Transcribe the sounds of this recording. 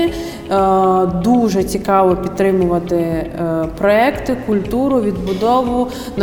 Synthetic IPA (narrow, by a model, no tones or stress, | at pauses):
d̪uʒɛt͡sʲikɑʋɔpʲid̪ɾɪmʊʋɐt̪ɪ | pɾɔɛkt̪ɪkʊlʲt̪uɾʊʋʲid̪bʊd̪ɔʋʊ | nɐ